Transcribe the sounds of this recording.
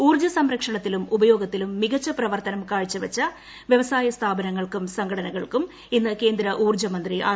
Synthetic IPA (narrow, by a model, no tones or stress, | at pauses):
uːrd͡ʑɐsɐmɾɐkʂɐɳɐt̪ːilumubɐjo̞ːɡɐt̪ːilumːiɣɐt͡ɕːɐprɐʋɐrt̪ɐnɐmkaːɻit͡ɕːɐʋɐt͡ɕːɐ | ʋjɐʋɐsaːjɐst̪ʰaːbɐnɐŋːɐɭkumsɐŋɡʰɐɽɐnɐɣɐɭkum | inːɨke̞ːnd̪ɾɐʔuːrd͡ʑɐmɐnd̪riʔa̰ː